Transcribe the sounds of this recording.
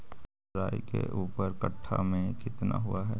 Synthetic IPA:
ɾaːjkḛʔuːpəɾkəʈʰːamẽkɪt̪naɦʊaɦɛː

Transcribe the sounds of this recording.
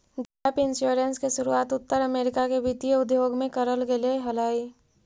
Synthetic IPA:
d͡ʒɛːpɪnsjoɾenskeʃʊɾuaːt̪ʊt̪ːəɾəmeːɾɪkakeʋɪt̪ijəʊd̪joːɡmẽkəɾəlɡeleɦɐlaːi

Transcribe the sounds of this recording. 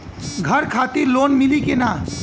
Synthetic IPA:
ɡʱəɾkʰaːt̪iɾloːnmilikena

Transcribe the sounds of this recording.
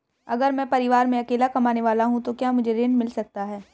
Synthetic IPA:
ɐɡəɾmɛ̃ːpɐɾɪʋaːɾmẽɐkeːlakɐmaːneʋaːlaɦũt̪okjaːmʊd͡ʒʱeɾeːnmɪlsɐk̚t̪aɦɛː

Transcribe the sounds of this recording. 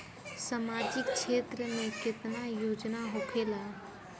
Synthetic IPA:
samad͡ʒɪkt͡ʃʰeːt̪ɾəmẽkɪt̪najoːd͡ʒnaɦokʰela

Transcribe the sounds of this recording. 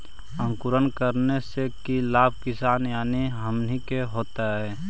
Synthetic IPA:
ə̃ŋkʊɾənkəɾnesekilaːb̚ʱkɪsaːnjaːniɦəmnikeɦoːt̪aɦɛː

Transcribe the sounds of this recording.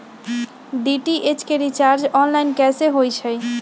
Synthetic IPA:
ɖiʈiʔet͡ʃkeɾit͡ʃaɾd͡ʒɔnlajnkɛseɦojt͡ʃʰəj

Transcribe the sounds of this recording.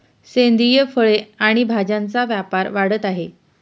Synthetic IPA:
send̪ʱijəfəɭeaɽ̃ibʱad͡ʑant͡saʋjapaɾʋaɽ̤ət̪aɦe

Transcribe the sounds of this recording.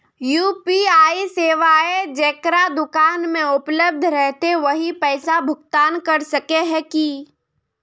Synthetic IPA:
juːpiaːiseːʋaːed͡ʒeːkɾad̪ʊkaːnmẽʊpləb̚d̪ʱɾɛɦt̪eʋɐɦipɛːsabʱʊk̚t̪aːnkɐɾsɐkeɦɛ̃ki

